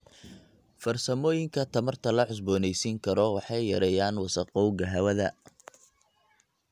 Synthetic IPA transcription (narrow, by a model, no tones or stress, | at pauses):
fɐrsɐmɔːjɪŋkʰɐt̪ʰɐmɐrt̪ʰɐlɐħʊs̬bɔːnɛjsiŋkʰɐɾɔwɑħɑjːɐɾɛjaːnwɑsɐqɔwɡɐɦɐwɐðɐ